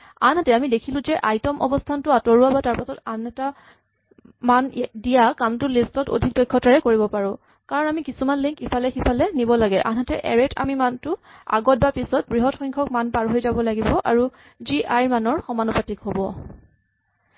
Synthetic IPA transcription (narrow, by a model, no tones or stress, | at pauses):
anɦatɛamidekʰilʊ̃zɛʔajtɔmʔɔ̰bɔstʰantʊatɔɹʊabataɹpasɔtanɛta | mandijakamtʊlistɔto̰dʱik̚dojkʰːɔtaɹɛkoɹibɔpaɹʊ̃ | kaɹɔnamikisumanliŋkipʰalɛxipʰalɛnibɔlaɡɛʔa̰nɦatɛʔɛɹɛtʰa̰mimantʊa̰ɡɔt̚bapisɔt̚bɹiɦɔtxɔjŋkʰɔk̚manpaɹɦojzabɔlaɡibɔʔaɹu | ziʔajɹmanɔɹxɔmanɔpatikɦobɔ